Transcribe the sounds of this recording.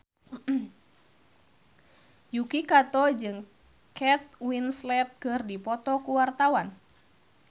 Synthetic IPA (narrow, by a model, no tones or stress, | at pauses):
jukikat̪ɔd͡ʒɨŋ | kɛt̪̚winslɛt̪̚ɡ̥ərdipɔt̪ɔkuwart̪awan